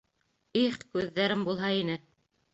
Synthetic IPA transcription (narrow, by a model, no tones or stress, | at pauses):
iχkʉðːæɾɘmbulˠɦɑinɘ